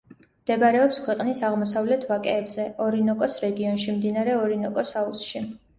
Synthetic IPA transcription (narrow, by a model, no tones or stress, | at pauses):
md̪̥ɛbaɾɛɔpskʰwɛqʼnisaʁmɔsavlɛt̪ʰvakʼɛːbzɛɔɾinɔkʼɔsɾɛɡiɔnʃimd̪inaɾɛɔɾinɔkʼɔsausʃi